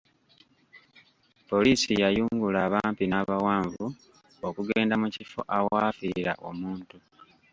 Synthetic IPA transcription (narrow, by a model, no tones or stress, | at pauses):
po̞liːsijajuːŋɡulaːβaːmpinaβawaːɱvu | okuɡeːndamucifo̞̰ʔawaːfiɾa̰ʔo̞̰muːntu